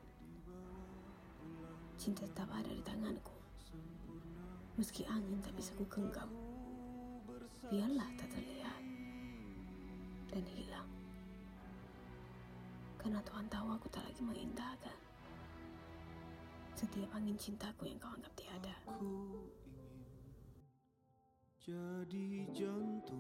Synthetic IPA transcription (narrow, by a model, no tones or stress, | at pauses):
t͡ʃint̪aat̪abada̰ɾit̪aŋanku | məskiʔaŋint̪apisakukəŋɡam | bianlaht̪at̪əleat̪̚ | danhilaŋ | karnat̪uɦant̪awakut̪aʔla̰ɡiməḭnt̪akan | sət̪iapaŋɪnt͡ʃint̪akujaŋkawaŋɡap̚t̪iada | d͡ʒdid͡ʒn